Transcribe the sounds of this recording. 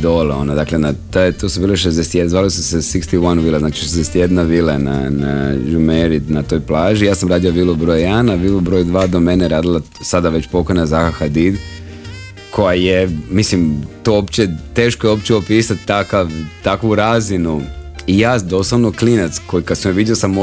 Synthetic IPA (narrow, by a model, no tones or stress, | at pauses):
d̪oleonod̪aklenat̪ajet̪osubiːleʃ̬ezd̪eset̪jezʋaːlisusesikst̪iwanuʋilaznaːt͡ʃi̥ʃezd̪eset̪je̞d̪naʋiːlena̰na̰jumeɾid̪nat̪o̞ːjplaːʒijaːsamɾaːd̪ioʋilˠobɾojanaʋilobɾoːjd̪ʋaːd̪o̞meneɾaːd̪ilˠa | sad̪aʋe̞t͡ɕpo̞kojnazaxaxad̪id̪ | kʰo̞jajemislimt̪oopt͡ʃet̪e̞ːʃkojeo̞pt͡ʃiopiːsat̪ːakaʋt̪akʋuɾaːzinuijaːd̪o̞slˠaʋnoklinat̪skojikad̪sumjoʋid̪ʲjɛosamː